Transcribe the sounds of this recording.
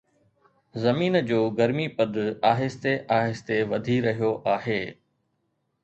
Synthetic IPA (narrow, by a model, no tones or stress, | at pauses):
zɐmiːnd͡ʑoːɡɐɾmipɐd̪ʱʊaːɦɪst̪eʔaːɦɪst̪eʋɐd̪ʱiɾɐɦijoʔaːɦeː